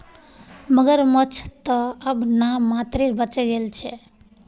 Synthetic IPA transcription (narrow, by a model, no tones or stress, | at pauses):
məɡəɾmət͡ʃʰt̪əəbnamːat̪ɾeɾbət͡ʃɛɡelt͡ʃʰɛ